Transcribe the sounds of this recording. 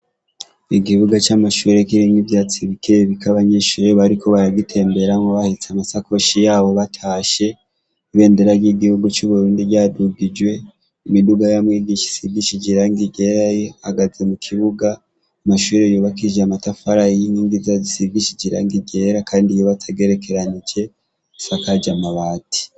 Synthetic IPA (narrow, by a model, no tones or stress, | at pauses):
iɡiβuɡat͡ʃamaʃuːɾekiɾimivjat͡siβikʰeβikaβaɲe̞ːʃuːɾe̞βaɾikʰo̞βaɾaɡitʰe̞ːmbe̞ɾaŋɡoβahit͡samasako̞ʃijaːβo̞βatʰaːʃe̞ | iβe̞ːndeɾaɡiɡihuɡut͡ʃuβuɾuːndiɟaːduɡid͡ʒwe̞ | imiduɡajamwiːɡiʃi̥siɡiʃid͡ʒiɾaŋɡiɡe̞ɾajeaɡaze̞mukʰiβuɡa | amaʃuːɾejuβakid͡ʒeamatafaɾajiniːŋɡizazisiɡiʃid͡ʒiɾa̰ŋɡiɡe̞ɾakʰaːndijeβatʰaɡe̞ɾe̞kʰe̞ɾanid͡ʒe̞ | sakad͡ʒamaβaːtʰi̥